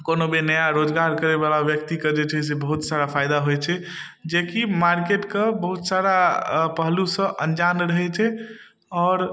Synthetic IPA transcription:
konobenəjaɾod͡ʒɡaɾkəɾebalabjəkt̪ikəd͡ʒet͡ʃʰɛs̬ebəɦut̪saɾapʰajd̪aɦojt͡ʃʰɛ | d͡ʒekimaɾkeʈkebəɦut̪saɾapəɦlusə̃ʔənd͡ʒanɾəɦɛt͡ʃʰɛ | ɔːɾ

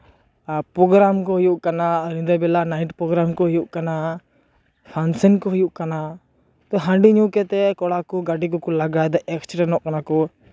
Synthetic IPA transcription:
pɾɔɡɾamkɔɦujuʔkanaɾind̪abɛlanaiʈpɾɔɡɾamkɔɦujuʔkana | pʰansɛnkɔɦujuʔkana | t̪ɔɦaɳɖiɲukɛt̪ɛkɔɽakɔɡaɖikɔkɔlaɡad̪ɔʔɛkst͡ʃɾɛnɔʔkanakɔ

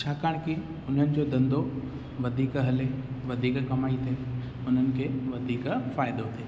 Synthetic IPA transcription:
t͡ʃʰaːkəɽ̃ki | ʊnənɪ̆d͡ʑod̪ɐ̃nd̪o | ʋɐd̪ʱiːkɦɐleʋɐd̪ʱiːkkɐmaːit̪ʰeː | ʊn̤ənɪ̆kʰeʋɐd̪ʱiːkfaːɪd̪ot̪ʰeː

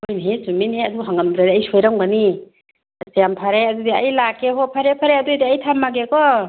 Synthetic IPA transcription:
ojnɦesuminheaduɡɔɦaŋamdɾadiajsojɾaŋbani | sejampʰaɾeadudia̰jlakːeɦɔpʰaɾepʰaɾeadudiajtʰamːaɡekɔ

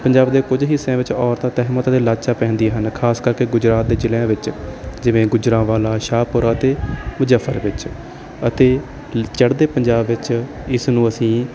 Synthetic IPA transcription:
pəɲd͡ʒaːbd̪eːkʊd͡ʒɦɪsːẽːʋɪt͡ʃɔːɾt̪ãːt̪ɛːɦmət̪ːt̪eːlaːt͡ʃaːpɛ̃ːnd̪iɦənkʰaːskəɾkeːɡʊd͡ʒɾaːt̪̚d̪eːd͡ʒɪleãːʋɪt͡ʃd͡ʒɪʋẽːɡʊd͡ʒɾãːʋaːlaːʃaːpʊɾaət̪eːmʊd͡ʒəfʰːəɾʋɪt͡ʃ | ət̪eː | t͡ʃəɽd̪eːpəɲd͡ʒaːbʋɪt͡ʃ | ɪsnũːəsĩː

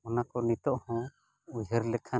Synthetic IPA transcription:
ɔnakɔnit̪ɔʔhɔ̃ | ud͡ʒʱəɾlɛkʰa

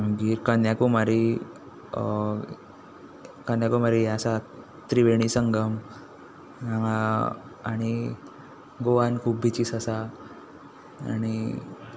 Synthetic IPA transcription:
məɡiːɾkanjakumaɾi | kanjakumaɾiasa | t̪ɾiʋeɽ̃isəŋɡəm | aa | aɽ̃i | ɡoʋankʰuːp̚bʱit͡ɕiːsasa | ñi

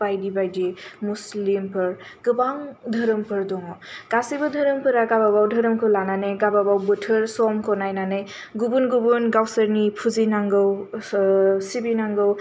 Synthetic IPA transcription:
bajdibajdimuslimpʰɯɹɡɯbaŋdʱəɾɯmpʰɯɾdɔŋɔkasibɯdʱəɾɯmpʰɯɾaɡababawdʱəɾɯmkʰɯlananɯjɡababawbɯtʰɯɹsɔmkʰɔnajnanɯj | ɡubunɡubunɡawsəɾnipʰuzinaŋɡɯw | sibinaŋɡɯw

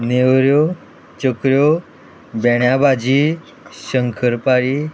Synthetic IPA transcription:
newɾjo | t͡ɕəkɾjo | bɛɽ̃jabad͡ʑi | ɕəŋkʰəɾpaɾi

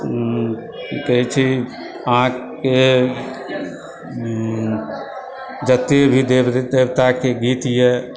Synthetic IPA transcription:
kəɦit͡ʃʰi | ãː | ke | d͡ʒət̪ebʱid̪ed̪eːʋt̪akeɡiːt̪jɛ

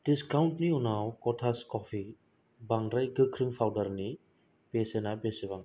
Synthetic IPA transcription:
d̥iskawntniɔnawkɔtʰaskɔpʰi | baŋdɾajɡɯkʰɾimpʰawdaɾni | b̥esenabeseβaŋ

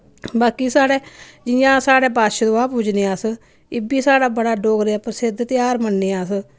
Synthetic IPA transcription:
baːkiːsaːɽeːd͡ʒɪjãːsaːɽeːpaːʃd̪õːaːpuːd͡ʒneːãːs | ɪbiːsaːɽaːbəɽaːɖoːɡɾeaːpəɾsɪd̪t̪jaːɾmənːeːãːs

